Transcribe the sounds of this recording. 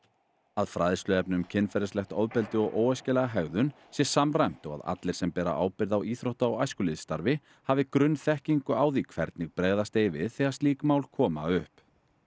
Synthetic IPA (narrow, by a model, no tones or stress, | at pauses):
aðfɾaːðɪst̪ʏɛp̚nʏmcʰɪnfɛɾɪslɛxt̪ɔ̰ðpɛlt̪ɪɔɣʔoːwɛscɪlɛɣaɦɛɣðʏn | sjɛsamrajm̥t̪ɔɣa̰ða̰t̪lɪɾ̥sɛmpɛːɾa̰ʔa̰ːwpɪɾðawiːθɾowht̪aːwajskʏlɪðst̪aɾvɪ | haːvɪkɾʏnːθɛhciŋkʏaːwðikʰvɛɾt̪nɪɣpɾeːɣðast̪eːjvɪðθɛɣasiːkmaːwlkʰɔːma̰ʏhp